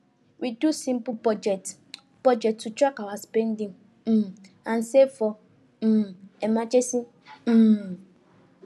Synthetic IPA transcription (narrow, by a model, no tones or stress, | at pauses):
widusĩmpupɔd͡ʒɛt | pɔd͡ʒɛktutɾakawaspɛ̃ndĩŋ̩ | ãnsefɔ | m̩ɛmãd͡ʒesĩ | m̩